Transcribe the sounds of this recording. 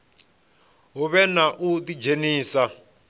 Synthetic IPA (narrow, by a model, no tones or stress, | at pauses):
ɦuβɛnaʔudid͡ʒeniːsa